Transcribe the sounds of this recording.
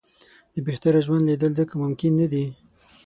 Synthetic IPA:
d̪əbeht̪aɾaʒwand̪lid̪əlzəkamʊmkɪnːad̪i

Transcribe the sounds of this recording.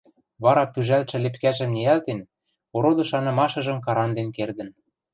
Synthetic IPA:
βɑɾɑpyʒælʃɘ̆lepkæʒɘ̆mneælt̪en | oɾod̪ɤ̆ʃɑnɤ̆mɑʃɤ̆ʒɤ̆mkɑɾɑnd̪enkerd̪ə̆n

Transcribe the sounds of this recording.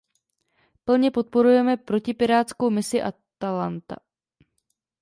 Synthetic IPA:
pl̩ɲɛpo̞t̪̚po̞ɾujɛmɛpɾo̞cɪpɪɾaːt̪t͡sko̞wmɪsɪʔat̪alant̪a̰

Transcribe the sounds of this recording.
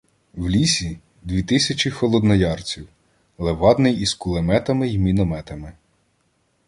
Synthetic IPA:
wlʲisʲi | d̪ʲʋʲit̪ɪsʲɐt͡ʃʲixɔlˠɔd̪nɔjɑrt͡sʲiw | lˠeʋɑd̪nɪjiskulˠemɛt̪ɐmɪimʲinɔmɛt̪ɐmɪ

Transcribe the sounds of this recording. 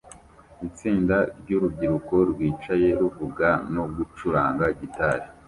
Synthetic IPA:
it͡siːndaɾɟuɾub̚ɟiɾuko̞ɾɡwiːt͡ʃaje̞ɾuvuɡano̞ɡut͡ʃuɾaːŋɡaɟitaɾi

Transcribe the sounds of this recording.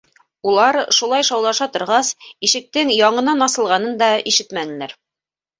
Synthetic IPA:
ulˠɑɾʃulˠɑjʃɑwlˠɑʃɑt̪ŏɾʁɑsiʃɘ̆k̚t̪ɘŋjɑɴɤ̆nɑnɑsɤ̆lˠʁɑnɤnd̪ɑiʃɘt̪mænɘ̆læɾ

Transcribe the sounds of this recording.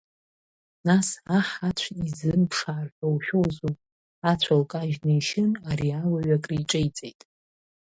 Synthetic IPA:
nasaħat͡ɕʷʰizɨnpʰʂaːrħʷᶣowʃʲᶣowzu | at͡ɕʷʰalkʼaʒnɨjʃɪnaɾiawaɥakʼrijʈ͡ʂʼejt͡sʼejtʼ

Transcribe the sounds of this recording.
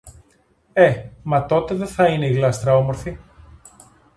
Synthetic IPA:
e̞mɐt̪o̞t̪e̞ðeθɐine̞iɣlɐst̪ɾɐo̞mo̞ɾfi

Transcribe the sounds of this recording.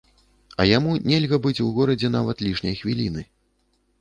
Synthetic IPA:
ɐ̰jamunʲɛlʲɣɐbɨt͡sʲuɣɔɾɐd͡zʲɛnavɐt̪lʲiʂnʲɐjxvʲilʲinɨ

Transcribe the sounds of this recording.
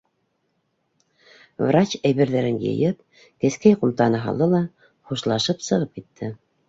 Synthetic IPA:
vrat͡ɕæjβɘ̆ɾðæɾɘnjɤ̰jɤp̚ | kɘ̆skæjqumt̪ɑnɤɦɑ̰lˠd̪ɤlˠɑ | χuʃlˠɑʃɤpsɤ̆ʁɤp̚kit̪ʰːɘ

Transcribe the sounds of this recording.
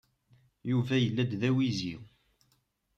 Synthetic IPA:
juvæjəlːæd̪ðæwizi

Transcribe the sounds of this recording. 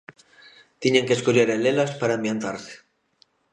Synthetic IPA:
t̪jenaŋkeskoʎeɾelelaspaɾaembjant̪aɾse̥

